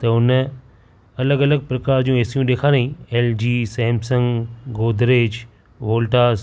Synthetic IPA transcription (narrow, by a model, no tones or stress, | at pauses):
t̪ɐʊn | ɐləɡɐləɡ̚pɾɐkaːɾd͡ʑiũeːsijũɗ̪eːkʰaːnɐĩːeːld͡ʑiːseɦmsə̃ŋɡɡoːd̪ʱɾeːd͡ʑ | ʋoːlʈaː